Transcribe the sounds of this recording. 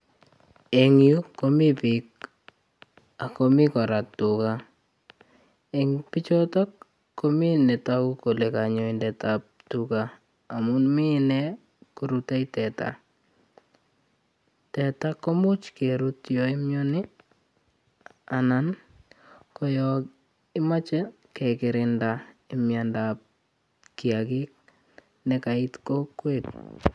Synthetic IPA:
eŋjukːomipik̚ | akomɪkɔɾatːuka | eŋpit͡ʃɔtɔkː | ominɛtakukolekaɲɔindɛtap̚tukaː | mʊnminɛ | kuɾutajtɛta̰ | tɛtakɔmʊt͡ʃkeɾutjɔɪmjɔnɪ | anan | kɔjɔk | ɪmat͡ʃɛ | kɛkɪɾɪndaɪmjandap̚ | kɪakɪk̚ | nɛkaɪtkɔkːwet̚

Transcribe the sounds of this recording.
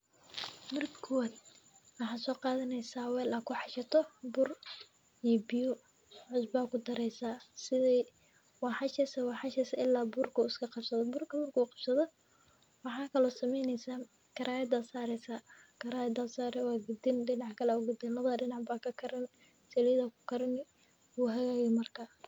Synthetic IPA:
mɐrkʰɔwd̪wɑħaːsɔːqɑːðɐnɛjsaːwɛːlʔɐkʰʊħɑʃɐt̪ʰɔbʊr | ijɔbɪjʊ | ʕʊsbaːkʰʊd̪ɐɾɛjsaːsɪðɛj | wɑħɑʃɛsɐwɑħɑʃɛsɐɪlːaːbʊrkʰʊɪskʰɐqɑbsɐðɔbʊrkʰɐmɐrkʰuːqɑb̥sɐðɔ | wɑħɑːkʰɐlɔsɐmɛjnɛjsaː | kʰɐɾaːɛd̪asaːɾɛsa | kʰɐɾaːjɛd̪asaːɾɛwaːɡʊd̪ɪnɖɪnɑʕkʰɐlɛʊɡʊd̪ɪnɐðɐɖɪnɑʕbaːkʰɐkʰɐɾɐn | sɛliðɐkʰʊ̥kʰɐɾɐnɪ | uːɦɐɣaːɣɛmɐrkʰaː

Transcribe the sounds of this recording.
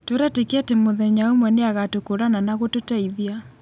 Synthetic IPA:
toɾatekeɛtemoðɛɲaomwɛneaɣatokoɾananaɣototaiðja

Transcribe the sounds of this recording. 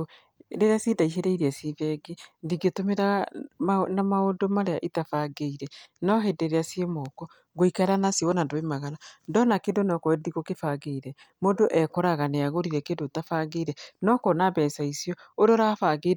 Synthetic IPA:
ɾeɾeasidaiʃeɾeiɾeasivɛɡeðiɡetomeɾaɣanamaodomaɾeaʔitafaɡeiɾɛnɔɦendeɾeasiemɔkɔ | ɡoikaɾanasjɔɣɔnandoemaɣaɾandɔnakendonɔkɔðiɣokefaɣeiɾɛ | moːndoʔɛkɔɾaɣaneaɣoɾiɾɛkendotafaɣeiɾɛnɔkɔnabɛːsaisiɔoɾeɔɾafaɡe

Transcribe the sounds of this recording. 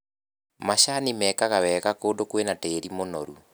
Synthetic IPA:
maɕanimɛːkaɣawɛɣakoːdokwenateːɾimonɔ̰ɾu

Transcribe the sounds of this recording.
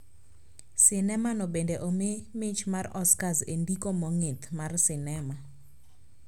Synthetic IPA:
sɪnɛmanɔbendeʔomemɪt͡ʃmarɔskazendikomɔŋet̪marsɪnɛma

